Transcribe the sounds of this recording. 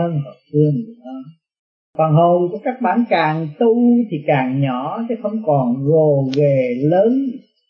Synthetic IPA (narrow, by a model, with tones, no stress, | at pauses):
ə˧nɦo˨˩sɨ˧əŋ˨˧˩ɔ˧˩ | kwaː˨˩nɦo˨˩ŋ͡mku˧˩əkaː˦˥k̚ɓa̰ː˧˩nkaː˨˩ŋt̪u˧t̪ʰi˨˩kaː˨˩ŋɲɔ˧˦t̪ʰe˨˦xə˧wŋ͡mkɔ˨˩nɣo˨˩ve˨˩ləː˨˦n